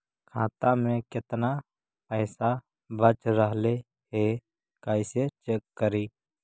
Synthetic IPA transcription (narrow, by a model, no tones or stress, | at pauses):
kʰaːt̪ãmẽːkɪt̪na | pəːsa | bət͡ʃɾəɦle | ɦeː | kaːɪset͡ʃekːəɾiː